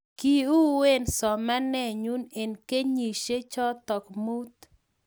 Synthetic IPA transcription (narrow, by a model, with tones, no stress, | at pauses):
ki˨u˦we˦nsɔ˨ma˦nɛ˦˨ɲu˦ne˨nke˦ɲi˨ʃe˦t͡ʃɔ˦t̪ɔ˨kmu˦t̪